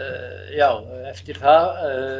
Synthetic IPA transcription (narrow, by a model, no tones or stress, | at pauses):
jaw | ɛft̪ɪɾ̥θað